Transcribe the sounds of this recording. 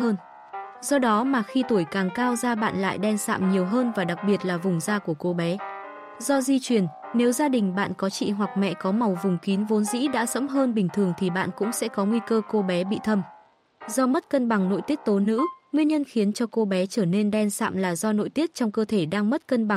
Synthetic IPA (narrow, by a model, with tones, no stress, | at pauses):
əː˧n | zɔ˧ɗɔ˨˦maː˨˩xi˧t̪o˧˩jkaː˨˩ŋkaː˧wzaː˧ɓa̰ː˧˨nla̰ː˧˨jɗɛ˧nsa̰ː˧˨mɲi˨˩əwɦəː˧nvaː˨˩ɗa˨˩k̚ɓi˨˩ət̚laː˨˩vʊ˨˩ŋ͡mzaː˧ku˧˩əko˧ɓɛ˨˦ | zɔ˧zi˧t͡ɕwi˨˩ənne˨˦wzaː˧ɗï˨˩ŋ̟ɓa̰ː˧˨nkɔ˨˦t͡ɕḭ˧˨ɦwa˨˩k̚mɛ̰˧˨kɔ˨˦ma˨˩wvʊ˨˩ŋ͡mki˨˦nvo˨˦nzḭ˧˥ɗa̰ː˧˥sə̰˧˥mɦəː˧nɓï˨˩ŋ̟t̪ʰɨ˨˩əŋt̪ʰi˨˩ɓa̰ː˧˨nkʊ̰˧˥ŋ͡msɛ̰˧˥kɔ˨˦ŋwi˧kəː˧ko˧ɓɛ˨˦ɓḭ˧˨t̪ʰə˧m | zɔ˧mə˦˥t̚kə˧nɓa˨˩ŋno̰˧˨jt̪i˦˥ək̚t̪o˨˦nɨ̰˧˥ŋwi˧ənɲə˧nxi˨˦ənt͡ɕɔ˧ko˧ɓɛ˨˦t͡ɕəː˧˩ne˧nɗɛ˧nsa̰ː˧˨mlaː˨˩zɔ˧no̰˧˨jt̪i˦˥ət̚t͡ɕɔ˧wŋ͡mkəː˧t̪ʰe˧˩ɗaː˧ŋmə˦˥t̚kə˧nɓa˨˩ŋ